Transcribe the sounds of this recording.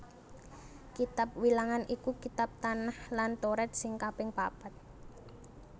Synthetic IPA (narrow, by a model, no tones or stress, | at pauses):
kit̪ap̚wilaŋanʔikukit̪ap̚t̪anahlant̪oɾɛt̪̚sɪŋkapɪŋpapat̪̚